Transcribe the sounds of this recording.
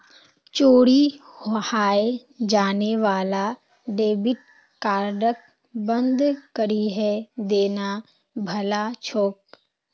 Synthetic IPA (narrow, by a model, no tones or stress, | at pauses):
t͡ʃoːɽi | hhaːe | d͡ʒaːneʋaːla | ɖeːbɪʈ̚ | kaːɾɖək̚ | bə̃nd̪kəɾiɦɛd̪eːna | bʱɐlat͡ʃʰoːk